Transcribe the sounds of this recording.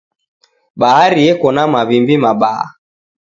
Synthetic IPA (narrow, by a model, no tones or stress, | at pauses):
ɓaɦaɾiɛkɔnamaβimbimaɓaa̰